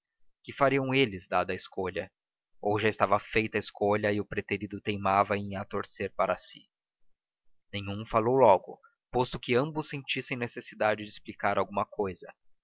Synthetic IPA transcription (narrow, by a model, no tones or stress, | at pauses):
kɪfaɾiɐ̃w̃elɪzd̪ad̪ɐɪskoʎɐ | owʒaɪst̪avɐfejt̪ɐɪskoʎɐɪʊpɾet̪eɾid̪ʊt̪ejmavɐẽj̃at̪oɾseɾpaɾɐsɪ | nẽj̃ũfalowlɔɡʊ̰ | post̪ʊkɪɐ̃mbʊsːẽt͡ʃisẽj̃nesesid̪ad͡ʒɪd͡ʒɪsplikaɾawɡũmɐkojzɐ